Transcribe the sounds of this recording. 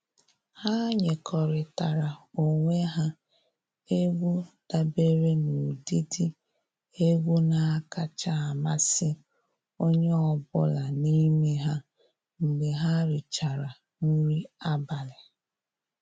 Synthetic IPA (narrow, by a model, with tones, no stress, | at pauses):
ha˦ɲe˨kʰɔ˨ɾɪ˨ta˨ɾa˨o˨ŋʷe˦ɦa˦ | e˦ɡʷu˦d̥a˨be˦ɾe˦nu˨di˦di˦ | e˦ɡʷu˦na˨a˦ka˦t͡ʃa˦˨a˨ma˦sɪ˦ | o˦ɲe˦ɔ˨bʊ̰˦la˨ni˦me˦ɦa˦ | ŋ̩˨ɡ͡be˨ɦa˦ɾɪ˨t͡ʃa˨ɾa˨ | ŋi˦ɾi˦a˦ba˨lɪ˨